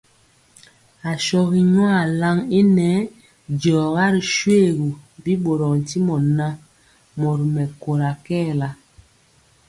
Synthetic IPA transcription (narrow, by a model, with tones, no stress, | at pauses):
a˨ʃɔ˦ɣi˨ɲwa˦˨la˦ŋi˦nɛ˨˦ | d͡ʒɔː˨ɣa˦ɾi˨ʃwe˦˨ɣu˨bi˦ɓo˨ɾɔ˨n̩˨ti˦mɔ˨na˦ | mɔ˨ɾi˨mɛ˨ko˨ɾa˨kɛː˦˨la˨